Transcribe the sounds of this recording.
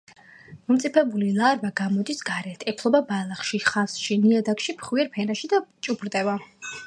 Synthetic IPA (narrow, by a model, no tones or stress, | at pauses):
mɔmt̪sʼipʰɛbulilˠaɾvaɡamɔd̪isɡaɾɛt̪ʰʼɛpʰlˠɔbabalˠaχʃiχasʃiniad̪akʃipʰχwiɛɾpʰɛnaʃid̪at͡ʃʼubɾd̪ʼɛva